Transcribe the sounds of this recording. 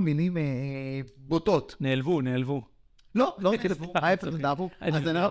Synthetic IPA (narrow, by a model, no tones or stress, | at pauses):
minime | botot̪neːlvuneːlvu | loloiajefdavuaazena